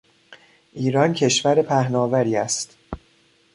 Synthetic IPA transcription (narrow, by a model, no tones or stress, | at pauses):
ʔiːɾɒːncʰe̞ʃvæɾepʰæhnɒːvæɾiːæst̪